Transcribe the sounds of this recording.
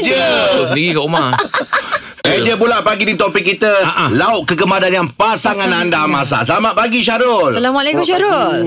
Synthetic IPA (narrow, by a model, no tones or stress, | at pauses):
d͡ʒəs̬əndiɣikaʔuma | ed͡ʒəbulaʔpaɡidit̪opikːit̪əaʔlaʊʔ̚kəɡəmadanjaŋpasaŋanandamas̬a̰səlamaʔ̪̚paɡiʃaɾʊlsalamalekʊmʃaɾʊl